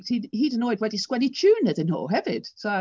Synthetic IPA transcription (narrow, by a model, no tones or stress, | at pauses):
hihidɪnɔɪd̚ɹɛdiskwɛnit͡ʃʰʉːnəðɨ̃nho̰ɦɛvɪd̥so